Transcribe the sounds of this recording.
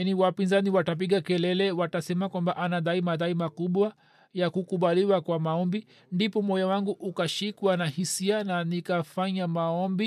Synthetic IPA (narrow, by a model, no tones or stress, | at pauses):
niwapinzaniwatap̬iɠakɛlɛlɛwatasɛmakwambaʔanaɗaimaðaimakuɓwa | jakukuɓaliwakwamaɔmbi | ndipɔmɔjawaŋɡuʔukaʃikwanahisiananikafaɲamaɔmbi